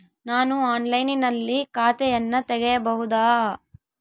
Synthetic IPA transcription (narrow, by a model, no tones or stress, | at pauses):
naːnuaːnlɐjninɐlːikaːt̪ɛjɐnːɐt̪ɛɡɛjɐbɐɦud̪aː